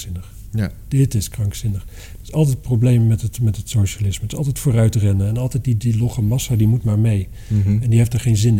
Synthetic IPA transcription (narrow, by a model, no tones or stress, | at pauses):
ɪnəχ | d̥ɪtɪskrɑŋksɪnəχ | ɪsɑlˠtɛjt̚prowblejmmɛtətmɛtɦətsowʃalɪsmədtɪsɑlˠtɛjtfʊːrœɥtrɛnəɛnɑlˠtɛjtdidilɔχəmɑsadimutmaːɹmej | ɛndiɦejfdaɹχejnzɪn